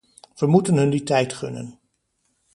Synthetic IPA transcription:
ʋəmutənɦɵnditɛjtχɵ̰nə̰n

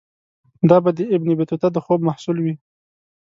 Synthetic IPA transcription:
d̪ɑbad̪əɪbnɪbɪt̪ut̪ad̪əxobmahsulwi

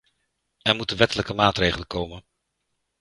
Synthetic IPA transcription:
ɛɹmutənʋɛtələkəmaːtrejχələkowmən

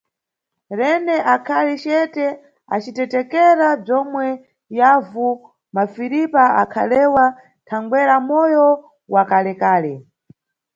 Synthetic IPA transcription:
ɾɛnɛʔakʰalit͡ʃɛtɛ | a̰t͡ʃitɛtɛkɛɾab͡ʐɔmwɛ | javu | mafiɾipaa̰kʰa̰lɛwa | tʰaŋɡwɛɾamɔjɔ | wakalɛkaːlɛ

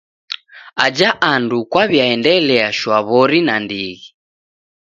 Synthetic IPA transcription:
ad͡ʒaʔandukwaβjaɛndɛlɛaʃwaβɔɾinandiɣi

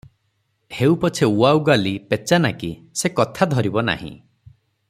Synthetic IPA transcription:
heupɔt͡ʃʰeuawɡalipet͡ʃanakisekɔt̪ʰad̪ʱɔɾibɔna̰ɦḭ̃

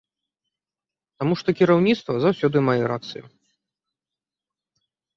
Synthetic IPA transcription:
t̪amuʂt̪ɔkʲiɾawnʲit̪st̪vɐzawsʲɔd̪ɨmajɛɾat̪t̪sɨjṵ

